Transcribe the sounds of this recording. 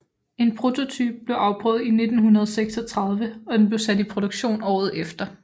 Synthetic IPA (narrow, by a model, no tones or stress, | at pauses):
e̝npʰʁo̝t͡sʰo̝t͡sʰy̰ːb̥̚b̥le̝ʊʔɑ̈ʊb̥ʁœ̰ːð̞̩ˠine̝d̥n̩hunɐð̞ˠɒseɡ̥sɒ̽t͡sʰʁɑ̈ð̞ˠʋəɒ̽d̥enb̥le̝ʊsæd̥ipʰʁo̝ɾ̥uɡ̥ɕo̝̰ːnɒ̰ːð̞̩ˠefd̥ɐ